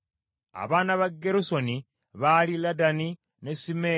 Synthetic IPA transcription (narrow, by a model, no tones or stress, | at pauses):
a̰βaːnaβaɡːe̞ɾuso̞ni | βaliladani | ne̞sime